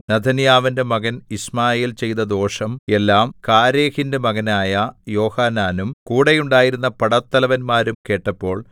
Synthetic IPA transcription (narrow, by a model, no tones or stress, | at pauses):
nɐd̪ʱʰɐnjaːʋɐnde̞mɐɣɐnismaːjeːlt͡ɕe̞jt̪ɐd̪o̞ːʂɐme̞lːaːmkaːɾe̞ːhinde̞mɐɣɐnaːjɐjo̞ːhaːnaːnumkuːɽejuɳɖaːjiɾun̪ːɐpɐɽɐt̪ːɐlɐʋɐnmaːɾumke̞ːʈːɐpːo̞ːɭ